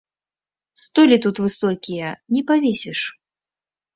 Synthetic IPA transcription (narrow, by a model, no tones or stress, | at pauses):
st̪ɔlʲit̪ut̪vɨsɔkʲijɐnʲɛpavʲɛsʲɛʂ